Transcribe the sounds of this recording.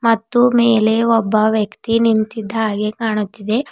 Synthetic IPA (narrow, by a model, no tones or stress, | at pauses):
mɐt̪ːumeːle̞ɔbːɐʋjɐkt̪inint̪id̪ːɦaːɡekaːɳut̪ːid̪e̞